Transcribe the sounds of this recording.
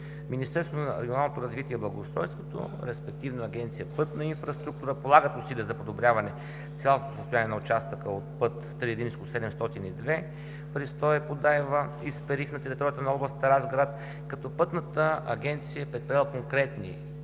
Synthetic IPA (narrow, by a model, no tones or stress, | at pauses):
minʲist̪ɛɾst̪vot̪onɐɾɛɡionalˠnot̪oɾɐzvit̪iɛblˠɐɡoːst̪ɾɔ̰jst̪vot̪o̰ɾɛspɛk̚t̪ivnoɐɡɛnt̪sijəpɤt̪nəinfɾɐst̪ɾuk̚t̪uɾəpolˠaɡət̪ʊsilʲiəzɐpod̪obɾʲjavɐnɛ | t̪sʲjalˠot̪o̥səst̪ojanʲiɛnɐʊt͡ʃast̪əkəot̪̚pɤt̪ːɾiəd̪imskosɛd̪ɛmst̪ɔt̪inid̪vɛ | pɾist̪ɔɛpod̪aɛvə | ispɛɾixnɐt̪ɛɾit̪ɔɾiət̪ənɐɔblˠəsət̪əɾazɡɾat̪ | kɐt̪ɔpɤt̪nət̪əɐ̰ɡʲɛnt̪sijəɛpɾɛt̪̚pɾijalˠəkoŋkɾɛt̪nḭ